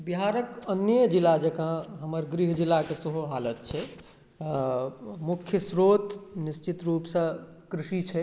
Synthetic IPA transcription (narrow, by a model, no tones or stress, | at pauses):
biɦaɾəkənjəd͡ʒilad͡ʒekãɦəməɾɡɾiɦd͡ʒilːakesəɦuɦalət̪̚t͡ʃʰɛ | mukʰjəsɾot̪nist͡ʃit̪ɾupsə̃kɾisit͡ʃʰɛ